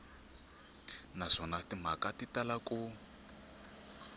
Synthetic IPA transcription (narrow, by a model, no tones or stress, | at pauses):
nazɔnatim̤akatitalaku